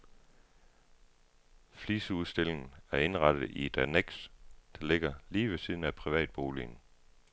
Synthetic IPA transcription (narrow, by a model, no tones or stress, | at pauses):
fliːsəuðˠsd̥e̝le̝ŋn̩æɐe̝nʁɑ̈d̥ð̩ˠie̝d̥æneɡ̥sd̥ɑle̝ɡ̥ɐliːʋe̝siːð̞ˠn̩æpʰʁiʋɛ̰ːd̥̚b̥o̝ːlḭn